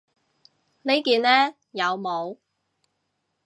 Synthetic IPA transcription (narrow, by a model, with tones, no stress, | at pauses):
ne˨˥jkiː˨˧nlɛː˥ | jɐ˨˧wmo˨˧w